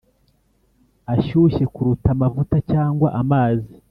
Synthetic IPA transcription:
aʃuʃe̞kuɾutamavutacaːŋɡwaʔamaːzi

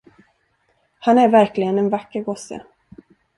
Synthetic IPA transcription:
hanæɾvæɾklɪɡənɛnvakːəɾɡɔsːə̰

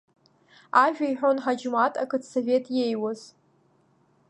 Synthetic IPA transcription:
aʒᶣajħʷᶣonħad͡ʒmatʰʼakʰɨtʰsove̞tʼje̞jwaz̥

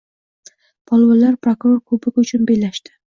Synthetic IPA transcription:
pʰɒlˠwɑlaɾpʰɾokɾoɾkʰɵbɪkʲʊt͡ʃʰʊnbelaʃt̪ɪ̥

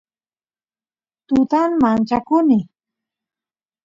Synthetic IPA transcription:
t̪ʊt̪anmant͡ʃakʊnɪ

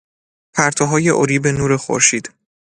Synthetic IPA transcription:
pʰæɾt̪ʰɒɦɒːje̞ʔoɾiːbenuːɾe̞xo̰ɾʃiːd̪̥

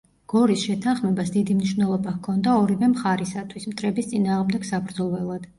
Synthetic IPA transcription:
ɡ̥ɔɾisʃɛt̪ʰanχmɛbasd̪id̪imniʃwvnɛlˠɔbakʰɔnd̪aɔɾivɛmχaɾisat̪ʰwismt̪ʼɾɛbist̪sʼinaːʁmd̪ɛɡ̥sabɾd̪zɔlˠwɛlˠad̪̥

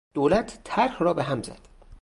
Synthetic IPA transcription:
d̪̥oːlæt̪ʰːæɾhrɒːbeɦæmzæ̰d̪̥

